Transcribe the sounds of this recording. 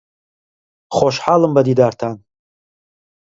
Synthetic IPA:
χoʃħalɨmbadidartʰan

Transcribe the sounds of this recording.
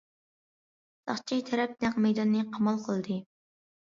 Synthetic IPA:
sɑ̰χt͡ʃʰijt̪ʰɛɾɛp̪̚nɛŋmɛjd̪ɑnːɨqʰɑmɑlˠqʰəlˠd̪ɨ

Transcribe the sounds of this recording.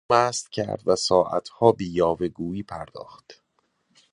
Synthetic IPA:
mæːst̪cʰæ̰ɾd̪væsɒːʔæ̰t̪ʰhɒːbejɒːveɡuːjiːpʰæɾd̪̥ɒ̰ːxt̪

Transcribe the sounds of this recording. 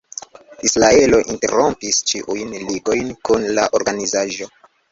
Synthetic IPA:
isɾae̞lo̞ʔinte̞̰ɾo̞mpist͡ʃiʔujnliɡo̞jnkunlaʔo̞ɾɡanizaʒo̞

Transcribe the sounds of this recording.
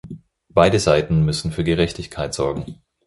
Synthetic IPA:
b̥aɪdəzaɪtn̩mʏsn̩fyːɐɡəʁɛçtɪçkʰaɪtz̥ɔɐɡŋ̩

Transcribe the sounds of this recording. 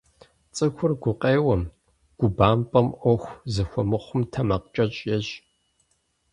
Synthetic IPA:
t͡sʼɨxʷʊrɡʷʊqʼeːwɐm | ɡ̥ʷʊbaːmpʼɐmʔʷɔxʷzɨxʷɔmɨχʷʊmtʰɐmɐqt͡ʃʼɐt͡ʃʼjɛɕ

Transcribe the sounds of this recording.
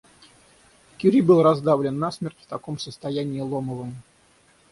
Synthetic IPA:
kʲuɾʲibɨlˠrɐzd̪avlʲɪnːasmʲertʲft̪ɐko̞msəst̪ɐjænʲɪːlˠo̞məvəm

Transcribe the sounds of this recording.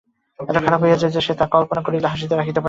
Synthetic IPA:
ɛʈakʰaɾapɦojad͡ʑed͡ʑeʃet̪ãkɔlponakoɾilaɦaʃ̬id̪eɾakʰit̪epa

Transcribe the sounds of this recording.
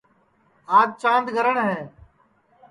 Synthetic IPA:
aːt̪̚t͡ʃãːnd̪ɡʱəɾəɳɦɛ̃ː

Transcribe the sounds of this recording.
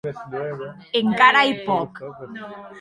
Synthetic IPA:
eŋkaɾajpɔk

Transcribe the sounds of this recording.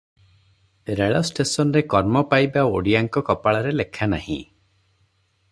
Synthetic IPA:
ɾeɭɔsʈesɔnɾekɔɾmɔpajbaoɽiaŋkɔkɔpaɭɔɾelekʰana̰hḭ̃

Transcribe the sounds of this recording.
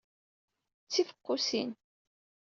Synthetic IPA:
t͡sːifə̥qːʊsin

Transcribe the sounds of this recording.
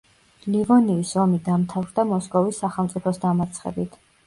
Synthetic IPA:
livɔniːsɔmid̪amt̪ʰavɾd̪amɔskʼɔvisːaχɛlˠmt̪sʼipʰɔsd̪amat̪sʰχɛ̰bit̪ʰ

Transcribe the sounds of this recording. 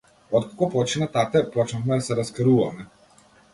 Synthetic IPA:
ɔt̪kḁkɔpɔt͡ʃinat̪at̪ɛpɔt͡ʃnafmɛd̪asɛɾaskɾuva̰mɛ

